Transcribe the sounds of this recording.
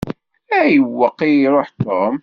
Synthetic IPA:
æjəwːəqːiɾˤoħt̪om

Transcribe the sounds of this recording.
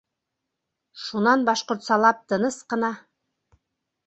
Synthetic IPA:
ʃunɑnbɑʃqŏɾt̪sɑlˠɑp̚t̪ɤ̆nɤsqɤ̆nɑ

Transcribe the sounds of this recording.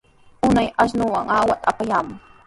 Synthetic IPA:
ʊnajaʃ̬nʊwaŋawat̪ʼapajaːmʊ

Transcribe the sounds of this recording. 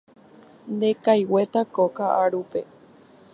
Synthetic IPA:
nd̪e̞kajwe̞t̪akokaʔaɾupe̞

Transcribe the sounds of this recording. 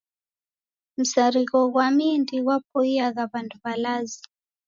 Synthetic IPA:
m̩saɾiɣɔɣwamindiɣwap̚ɔiaɣaβanduβalazi

